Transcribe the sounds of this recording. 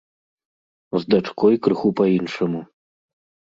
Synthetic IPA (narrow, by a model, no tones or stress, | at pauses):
zd̪at͡ʂkɔjkɾɨxupainʂɐmu